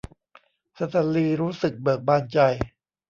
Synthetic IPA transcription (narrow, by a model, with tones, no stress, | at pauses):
sa˧t̪ʰa˨˩liː˧ɾuː˦˥sɯ˨˩k̚bɤ˨˩k̚baː˧nt͡ɕa˧j